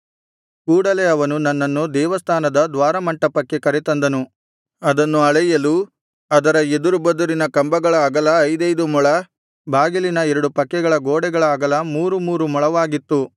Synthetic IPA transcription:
kuːɽɐleɐʋɐnunɐnːɐnːud̪ɛːʋɐst̪ʰaːnɐd̪ɐd̪ʋaːɾɐmɐɳʈɐpɐkːekɐɾɛt̪ɐnd̪ɐnu | ɐd̪ɐnːuɐɭɐjɐlu | ɐd̪ɐɾɐed̪uɾubɐd̪uɾinɐkɐmbɐɡɐɭɐːɡɐlɐːjd̪ɐjd̪umuɭɐ | bʱaːɡilinɐɛɾɐɽupɐkːɛɡɐɭɐɡoːɽɛɡɐɭɐːɡɐlɐmuːɾumuːɾumɔɭɐʋaːɡit̪ːu

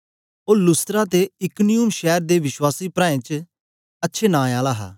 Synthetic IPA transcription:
oːlʊst̪ɾaːt̪eɪknijuːmʃɛːɾd̪eːʋɪʃwaːsiːpɾãːẽt͡ʃ | ɐtːʃʰeːnãːjaːlaːɦa̰ː

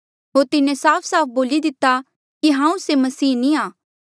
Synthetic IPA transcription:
ɦoːɾt̪ɪnẽsaːpʰsaːp̚ʰboːlid̪ɪt̪ːa | kiɦãːũsemɐsiːnĩaː

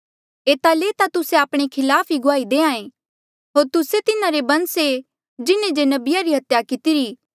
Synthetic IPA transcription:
eːt̪aleːt̪at̪ʊseaːpɽ̃ekʰɪlaːpʰiɡʊaːid̪eːãːẽ | ɦoːɾt̪ʊset̪ɪnãɾebɐ̃nse | d͡ʒɪnẽd͡ʒenɐbɪjaɾiɦɐt̪jakɪt̪iɾiː

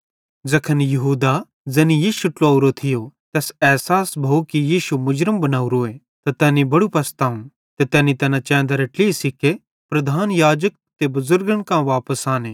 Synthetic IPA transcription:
d͡zɐkʰənjɐɦuːd̪a | d͡zɛːnijiːʃuʈloːuɾot̪ʰɪjot̪ɛːsɛːsaːsbʱɐukijiːʃumʊd͡ʒɾəmbɐnaːuɾoːe | t̪at̪ɛːnibɐɽupɐst̪aːũn | t̪et̪ɛːnit̪ɛːnat͡ʃɛ̃ːnd̪aɾɐʈlisike | pɾɐd̪ʱaːnjaːd͡ʒək̚ | t̪ebʊzʊɾɡənkãʋaːpəsaːneː

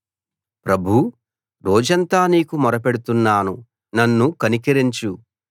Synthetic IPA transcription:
pɾɐbʱu | ɾɔːd͡ʒɐnt̪aːniːkumɔɾɐpeɽut̪unːaːnu | nɐnːukɐnikiɾiɲt͡ʃu

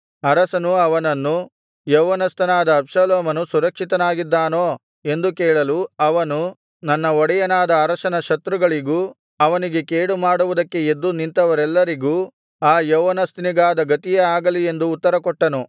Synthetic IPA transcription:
ɐɾɐsɐnuɐʋɐnɐnːu | jɐwɐnɐst̪ɐnaːd̪ɐːbʂɐloːmɐnusuɾɐkʂit̪ɐnaːɡid̪ːaːnoː | e̞nd̪ukɛːɭɐluɐʋɐnu | nɐnːɐɔɽɛjɐnaːd̪ɐːɾɐsɐnɐʃɐt̪ɾuɡɐɭiɡuː | ɐʋɐniɡe̞keːɽumaːɽuʋud̪ɐkːe̞ed̪ːunint̪ɐʋɐɾɛlːɐɾiɡuː | aːjɐwɐnɐst̪iniɡaːd̪ɐɡɐt̪ijeaːɡɐlie̞nd̪uːt̪ːɐɾɐkɔʈːɐnu

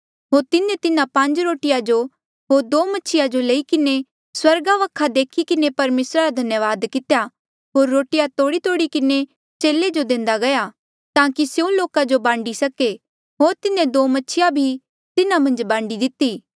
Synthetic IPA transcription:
ɦoːɾt̪ɪnẽt̪ɪnãpɐ̃ɲd͡ʒɾoːʈɪjad͡ʒo | ɦoːɾd̪oːmɐtːʃʰɪjad͡ʒoleikɪne | swɐɾɡaʋɐkʰːad̪eːkʰikɪnepɐɾmeːsɾaɾad̪ʱɐnjəʋaːd̪kɪt̪eja | ɦoːɾːoːʈɪjat̪oːɽit̪oːɽikɪne | t͡ʃeːled͡ʒod̪ẽːnd̪aɡɐja | t̪ãːkisjeũloːkad͡ʒobãːɳɖisɐke | ɦoːɾt̪ɪnẽd̪oːmɐtːʃʰɪjabʱi | t̪ɪnamɐ̃nd͡ʒbãːɳɖid̪ɪt̪ːiː

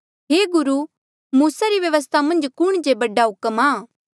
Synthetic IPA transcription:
ɦeːɡʊɾu | muːsaɾiʋjɐʋəs̬t̪ʰamɐ̃nd͡ʒkʊɽ̃d͡ʒebɐɖaɦʊkəmaː

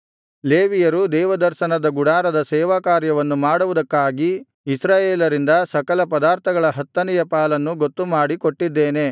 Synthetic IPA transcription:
leːʋijɐɾud̪ɛːʋɐd̪ɐɾʃɐnɐd̪ɐɡuɽaːɾɐd̪ɐsɛːʋaːkaːɾjɐʋɐnːumaːɽuʋud̪ɐkːaːɡi | isɾaːjeːlɐɾind̪ɐsɐkɐlɐpɐd̪aːɾt̪ʰɐɡɐɭɐɦɐt̪ːɐnijɐpaːlɐnːuɡot̪ːumaːɽikoʈːid̪ːeːne̞

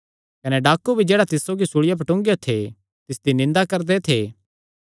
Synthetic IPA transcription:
kɐneɖaːkːubʱid͡ʒeːɽat̪ɪsoɡisuɭɪjap̬ɐʈʊ̃ːŋɡjot̪ʰe | t̪ɪsd̪inɪ̃nd̪akɐɾd̪et̪ʰeː

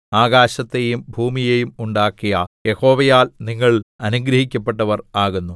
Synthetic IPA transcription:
aːɡaːɕɐt̪ːe̞jumbʱuːmijejumuɳɖaːkːijɐje̞ho̞ːʋɐjaːlniŋːɐɭɐnuɡɾɐhikʲːɐpːe̞ʈːɐʋɐraːɣunːu

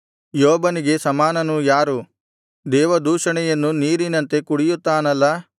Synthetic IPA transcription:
joːbɐniɡe̞sɐmaːnɐnujaːɾu | d̪ɛːʋɐd̪uːʂɐɳɛjɐnːuniːɾinɐnt̪e̞kuɽijut̪ːaːnɐlːɐ

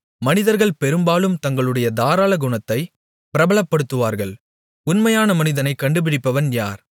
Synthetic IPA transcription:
mɐnɪðɐɾɣɐɭpɛɾɯmbaːlɯmt̪ɐŋɡɐɭɯɽɐjɐd̪aːɾaːlɐɡʊɳɐt̪ːɐɪ | pɪɾɐbɐɭɐpːɐɽɯt̪ːɯʋaːɾɣɐɭ | ʊnmɐjaːnɐmɐnɪðɐnɐɪkːɐɳɖɯp̬ɪɽɪpːɐʋɐnjaːɾ

